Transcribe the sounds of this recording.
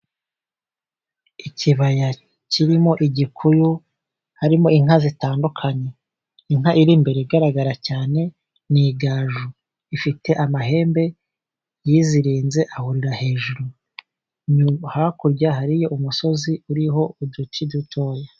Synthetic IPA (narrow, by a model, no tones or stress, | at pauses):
iciβaja | ciɾimo̞ʔiɟikʰujo | haɾimo̞iŋ̥hazitaːndukʰaɲe̞ | iŋhaʔiɾimbe̞ɾeiɡaɾaɡaɾacaːne̞ | niɡaːʒu | ifite̞ʔamaɦe̞ːmbe̞ | jiːziɾiːnze̞ʔahuɾiɾahe̞ːʒuɾu | ɲuhakuɾɟaɦaɾijo̞ʔumuso̞ziuɾiɦo̞udutʰidutʰo̞ːja